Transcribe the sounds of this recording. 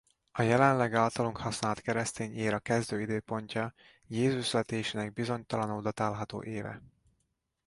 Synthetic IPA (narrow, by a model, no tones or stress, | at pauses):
ɒjɛlɛnlɛɡaːlt̪ɒloŋkhɒsnaːlt̪kɛɾɛst̪eːɲeːɾɒkɛzd̪øːid̪øːpo̞ɲcɒ | jeːzuʃlɛt̪eːʃinɛɡ̚bizo̞ɲt̪ɒlɒnoːd̪ɒt̪aːlɦɒt̪o̰ːʔeːvɛ̰